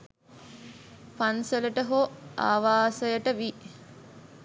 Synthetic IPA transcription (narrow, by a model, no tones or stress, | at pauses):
pansələʈəɦoa̰ːʋaːsəjəʈəʋi